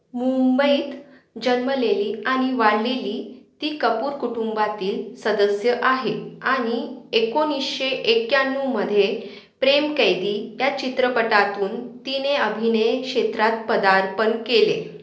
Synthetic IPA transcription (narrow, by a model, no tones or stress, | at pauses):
mumbəiːt̪ | d͡ʑənməleliːaɽ̃iʋaɽleliːt̪iːkəpuːɾkuʈumbat̪iːlsəd̪əsjəʔaɦeaɽ̃iekonisɕeʔekjanːuməd̪ʱːje | pɾemkəjd̪iːjat͡ɕit̪ɾəpəʈat̪uːnt̪ineəbʱinəjkɕet̪ɾat̪̚pəd̪aɾpənkele